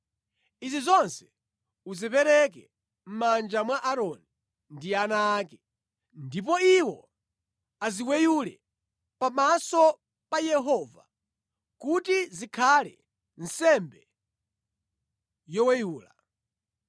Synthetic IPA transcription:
izizɔnsɛ̥ | uzipɛɾɛkɛ | m̩mand͡ʒamwaʔaɾɔni | ndianaːkɛ | ndip̬ɔiwɔ̰ | aziwɛjulɛ | pamasɔ | pajɛɦɔva̰ | kutizikʰalɛ̰ | n̩sɛmbɛ | jɔwɛjuːla

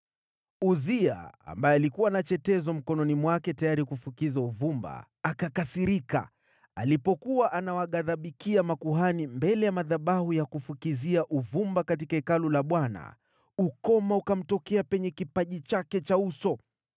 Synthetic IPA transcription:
uzia̰a̰mbajɛalikuwanat͡ʃɛtɛzɔm̩kɔnɔnimwakɛtajaɾikufukizauvumba̰ː | kakasiɾika̰ | alipɔkuwaʔanawaɠaðaɓikiamakuɦanimbɛlɛjamaðaɓahujakufukiziaʔuvumbakatikaikalulaɓwana̰ | ukɔmaukam̩tɔkɛapɛɲɛkipaʄit͡ʃakɛt͡ʃausɔ

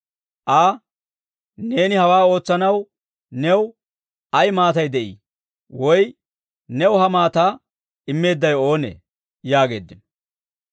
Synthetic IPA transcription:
ʔaː | ne̞ːnɪhɐwaːo̞ːt͡sːɐnɐw | nɛw | ɐjmaːt̪ɐjd̪ɛʔḭː | wɔj | nɛwʊhɐmaːt̪aː | ɪmːe̞ːd̪ːɐjo̞ːnḛː | jaːɡe̞̰ːd̪ːɪn

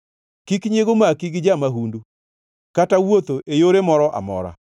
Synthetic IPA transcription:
kikɲeɡomakiɡid͡ʒamaɦundu | katawot̪oʔejoɾemɔɾɔʔa̰mɔ̰ɾa̰

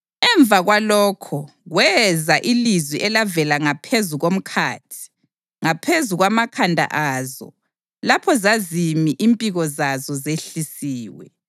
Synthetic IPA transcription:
ɛɱb̪vʱaɣwalɔːkʰɔ | ɣwɛzaʔilizwiʔɛlavɛlaŋapʰezuɣom̩kʰa̰ːtʰi̥ | ŋapʰezuɣwamakʰandʱa̰ʔaːzɔ̰ | lapʰɔzazimiʔimpʼiɣɔzazɔzeɬisiːwɛ̰

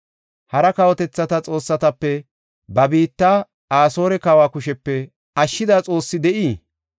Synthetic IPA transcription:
hɐɾɐkɐwɔt̪ɛt͡sːɐt̪ɐt͡sʼo̞ːsːɐt̪ɐpːɛ | bɐbiːt̪ːaː | aːso̞ːɾɛkɐwaːkʊʃɛpːɛ | ɐʃːɪd̪aːt͡sʼo̞ːsːɪd̪ɛʔiː

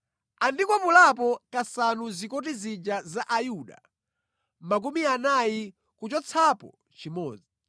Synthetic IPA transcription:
andikwɔpulapɔkasanuzikɔt̬izid͡ʒazaʔajuɗa̰ | mak̬umianaji | kut͡ʃɔt͡sʰapɔ̰ | t͡ʃimɔ̰ːd͡zi

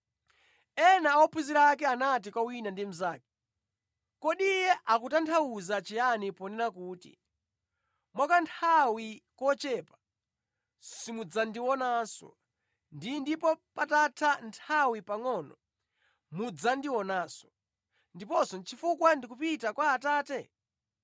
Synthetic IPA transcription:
ɛnaɔpʰuziɾakɛanat̬ikwawinandim̩zaːkɛ̥ | kɔɗijɛʔakutantʰawuzat͡ʃijanipɔnɛɾakuːtḭ | mwakantʰawikɔt͡ʃɛːpḁ | simud͡zandiwɔnasɔ̰ | ndindipɔpatatʰantʰawipaŋɔːnɔ̰ | mud͡zandiwɔnaːsɔ̥ | ndipɔsɔnt͡ʃʰifukwandikupitakwaːtaːtɛ

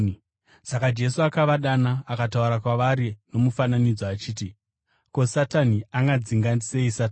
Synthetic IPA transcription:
sakad͡ʒe̞suakaʋaɗanaːkatauɾakwaʋaɾino̞mufananid͡zoat͡ʃiːti | ko̞sataniaŋɡad͡ziŋɡanise̞isata

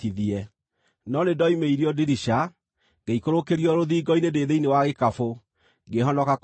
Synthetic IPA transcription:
iðiɛ | nɔnedɔimeiɾiɔdiɾiʃa | ɡ̥eikoɾokeɾiɔɾoðiːɡɔinedeðeinewaɣekafo | ɡeɦɔnɔkak

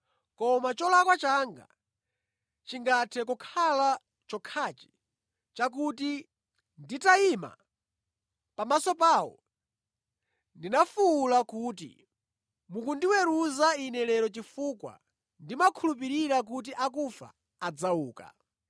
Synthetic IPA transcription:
kɔmat͡ʃɔlakwat͡ʃaŋɡa̰ | t͡ʃiŋɡatʰɛkɔkʰala | t͡ʃɔkʰaːt͡ʃi̥ | t͡ʃak̬uti | nditaima̰ | pamasɔpaːwɔ̰ | ndinafuulakuːtḭ | mukundiwɛɾuzainɛlɛɾɔt͡ʃifuːkwa̰ | ndimakʰulup̬iɾiɾak̬ut̬iʔakufa̰ | ad͡zauːka̰

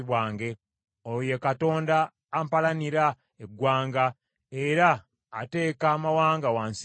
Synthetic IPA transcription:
βwaːŋɡe̞ | oje̞kato̞ːndaː | mpalaniɾa | eɡwaːŋɡa | e̞ɾaː | te̞ːkaːmawaːŋɡawaːns

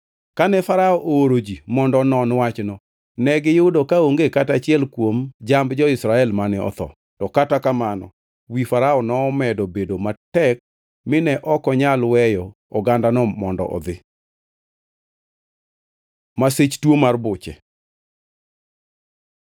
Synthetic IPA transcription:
kanɛfaɾaɔʔooɾod͡ʒimɔndɔnɔnwat͡ʃnɔ | nɛɡɪjʊdokaoŋɡekatat͡ʃɪɛlkwomd͡ʒambd͡ʒɔɪsɾaɛlmanɪɔ̰t̪ɔ̰ | tɔkatakamanɔ̰ | wifaɾaɔnɔːmɛdobedomatɛk̚ | mɪnɛʔɔkɔɲalwɛjɔ | ɔɡandanɔmɔndɔ̰ʔɔ̰d̪ɪ | maset͡ʃtwomarbʊt͡ʃɛ̰

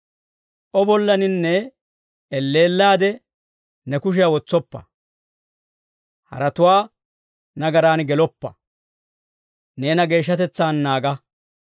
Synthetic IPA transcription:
ʔɔbɔlːɐnɪnːɛː | lːe̞ːlːaːd̪ɛ | nɛkʊʃ̬ɪjawɔt͡sːɔpːɐ̰ | hɐ̰ɾɐt̪ʊwaː | nɐɡɐɾaːnɡɛlɔpːɐ̰ | ne̞ːnɐɡe̞ːʃ̬ːɐt̪ɛt͡sːaːnːaːɡɐ

